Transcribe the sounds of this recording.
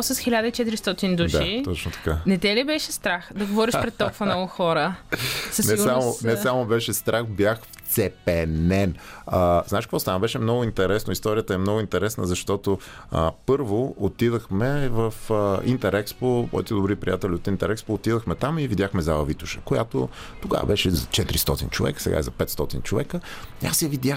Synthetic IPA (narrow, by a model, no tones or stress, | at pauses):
səsxilʲad̪əit͡ʃɛt̪iɾist̪ɔt̪ind̪uʃd̪ait̪ɔt͡ʃnot̪ɐ̥kanɛt̪ɛlibɛʃɛst̪ɾaxd̪ɐɡovɔɾiʃpɾɛt̪ːɔkvɐnnɔɡʊxɔɾəsɐsnɛsamonɛsamobɛʃɛst̪ɾʔaxbjaxft̪sɛpɛnɛnəznaʃkəkvɔst̪anəbɛʃɛmnɔɡʊint̪ɛɾɛsnoist̪ɔɾijət̪əɛmnɔɡʊint̪ɛɾɛsnəzɐʃt̪ɔt̪oəpɤɾvoot̪id̪əxmɛvəfəint̪ɛɾʔɛkspopɔ̰ɛt̪ɛd̪obɾipɾʲḭjat̪ɛliot̪int̪ɛɾɛkspoːt̪id̪əxmɛt̪amivid̪ʲjaxmɛzavɐvit̪ʊ̥ʃə̥̰koja̰t̪o̰ | t̪oɡa̰və̰bɛʃɛzɐt͡ʃɛt̪iɾist̪ɔt̪ḭnt͡ʃovɛ̰kə̥sɛ̰ɡa̰ḭzɐpɛt̪st̪ɔt̪ḭnt͡ʃovɛkəia̰sjɐvid̪jax